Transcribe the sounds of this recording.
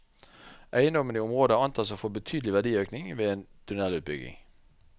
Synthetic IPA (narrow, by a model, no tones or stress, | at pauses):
ʔæɪəndɔməniːʊmʁoːd̪əɑnt̪ʰɑːsɔfɔbət̪ʰyːd̪əlɪʋæɖiːøːknɪŋʋeːeːnd̪̥ʉnɛlʉːt̪̚bʏɡɪ̰ŋ